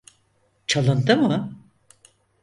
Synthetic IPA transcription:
t͡ʃʰalˠɯnd̪ɯmɯ

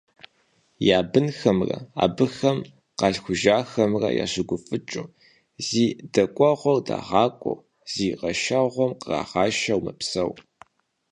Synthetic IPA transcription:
jaːbɨnxɐmrɐ̰a̰ːbɨxɐm | qɑɬxʷʊʒaːxɐmrɐ̰ja̰ːɕɪɡʷʊfɨt͡ʃʼu | ziːdɐkʷʼɔʁʷɔrda̰ːʁɑːkʷʼɔ̰w | z̥iːqɐʃaʁʷɔmqərɑ̰ːʁɑːʃɐwmɨpsɐw

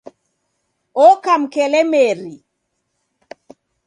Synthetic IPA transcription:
ɔkam̩kɛlɛmɛɾi

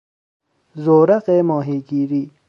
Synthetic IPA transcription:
zoːɾɐqemoːɦiːɡiːɾi

